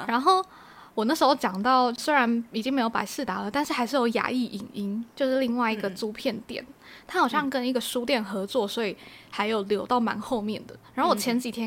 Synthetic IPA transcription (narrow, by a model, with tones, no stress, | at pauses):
ɻa˧˥nxo˥˩ʊ | wɔ˨˩n˥˩ʂɻ̩˧˥xo˥˧ʊt͡ɕjɑ˨˩ŋt̪ɑ˥˩ʊswe˥ɪɻa˧˥ni˨˩t͡ɕi˧˥ŋme˧˥ɪjo˧˥ʊpa̰˧˥ɪsʂɹ̩˥˩t̪a˧˥lə˨t̪nʂɻ̩˥˩xa˧˥ɪʂɻ̩˥˩jo˧˥ʊja̰˧˥i˥˩ʔi˨˩ni˧˥ŋt͡ɕjo˥˧ʊʂɻ̩˥˧li˥˧ŋwa˥˩ɪi˧˥ɡə˨t͡su˥pʰjɛ˥˩nt̪jɛ̰˨˩˦n | t̪ʰa˥xɑ˨˩ʊʂɕjɑ˥˧ŋkə˦˥ni˧˥ɡə˨ʂu˥t̪jɛ˥˩nxɤ˧˥t͡swɔ˥˩swɔ˧˥i˨˩xa˧˥ɪjo˨˩ʊljo˧˥ʊt̪ɑ˥˩ʊma̰˧˥nxo˥˧ʊmjɛ˥˩nd̪ə˩ɻa˧˥nxo˥˩wɔ˨˩t͡ɕʰjɛ˧˥nt͡ɕi˨˩t̪ʰjɛ˥